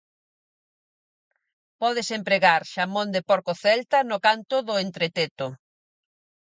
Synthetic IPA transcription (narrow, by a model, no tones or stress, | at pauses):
pɔð̞esempɾeɣaɾʃamõnd̪epɔɾkoθɛlt̪ɐnʊkant̪ʊðʊent̪ɾet̪et̪ʊ